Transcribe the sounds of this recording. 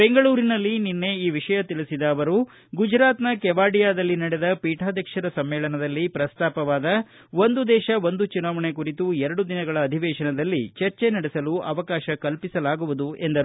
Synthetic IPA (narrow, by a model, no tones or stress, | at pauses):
be̞ŋɡɐɭuːɾinɐlːininːe̞iːʋiʂɐjɐt̪ilisid̪ɐːʋɐɾu | ɡud͡ʒɾaːt̪nɐkɛʋaːɖijaːd̪ɐlːinɐɽed̪ɐpiːʈʰaːd̪ʱjɐkʂɐɾɐsɐmːɛːlɐnɐd̪ɐlːipɾɐst̪aːpɐʋaːd̪ɐ | ʋo̞nd̪ud̪ɛːʃɐʋo̞nd̪ut͡ʃunaːʋɐɳekuɾit̪uɛɾɐɽud̪inɐɡɐɭɐːd̪ʱiʋɛːʃɐnɐd̪ɐlːit͡ʃɐɾt͡ʃenɐɽɛsɐluʔɐ̰ʋɐkaːʃɐkɐlpisɐlaːɡuʋud̪uend̪ɐɾu